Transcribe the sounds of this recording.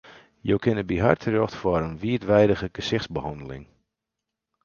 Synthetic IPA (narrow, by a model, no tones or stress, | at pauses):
jowkɪnəbiɦa̰rtʰərjɔxtfwɔɾənʋiətʋɛjdəɣəɡ̥əsɪχsbəhɑndəlɪ̰ŋ